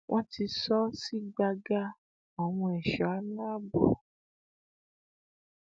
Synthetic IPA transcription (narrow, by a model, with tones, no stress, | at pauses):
wʔɔ̃˦ti˧sɔ˦si˦ɡ͡ba˧ɡa˧˦ | ɔ˨w̃ũ˧ɛ˨ʃɔ˨a˦nũ˦a˦bɔ̰˨